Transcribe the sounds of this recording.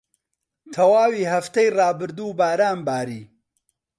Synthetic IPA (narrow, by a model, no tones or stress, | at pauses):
t̪ʰɐwaːwiːhɐft̪ɐjrɑːbɨɾd̪uːbaːɾaːnbaːɾiː